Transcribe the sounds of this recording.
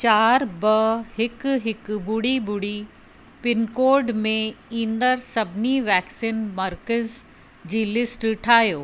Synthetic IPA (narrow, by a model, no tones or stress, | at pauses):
t͡ɕaːɾbɐhɪkɦɪkbʊɽibʊɽi | pɪnkoːɾɖmẽĩːnd̪əɾsɐbʱniʋɛːksinmɐɾkəz | d͡ʑiːlɪsʈʈʰaːɦjoː